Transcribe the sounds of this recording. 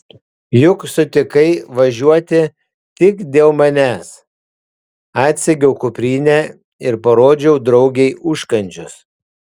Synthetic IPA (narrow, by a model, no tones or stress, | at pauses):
jʊksʊt̪ʲɪkɐɪʋɐʒʲuɔt̪ʲɪ | t̪ʲɪkd̪ʲeːlˠmɐnʲæːs | ɑːt̪ʲsʲɛɡʲɛʊkʊpʲɾʲiːnʲæ | ɪɾpɐɾoːd͡ʒʲɛʊd̪ɾɒʊɡʲɛɪʔʊʃkɐnʲt͡ʃʲʊs